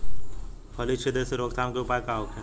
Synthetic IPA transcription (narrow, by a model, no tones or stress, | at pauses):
pʰɐlit͡ʃʰed̪eseɾoːkt̪ʰaːmkeupaːkaːokʰẽ